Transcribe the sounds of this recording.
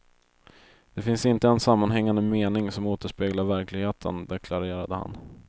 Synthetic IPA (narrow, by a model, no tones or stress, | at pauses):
d̪̥ɛfɪnsɪnt̪əɛnsamːanɦɛŋːand̪əmeːnɪŋsɔmoːt̪əʂpeːɡlaɾvæɾklɪɡheːt̪ʰə̰nd̪ɛkʰlaɾeːɾad̪əha̰n